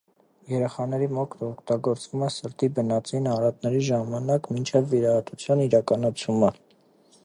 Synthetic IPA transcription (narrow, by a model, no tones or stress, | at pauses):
jɛɾɛχɑnɛɾimɔkʰt̪ʰɔkʰt̪ɑɡɔɾt͡svumɛsəɾt̪ibənɑt͡sinɑɾɑt̪̚nɛɾiʒɑmɑnɑkmint͡ʃʰɛvːiɾɑhɑt̪ut͡sʰjɑniɾɑkɑnɑt͡sʰumə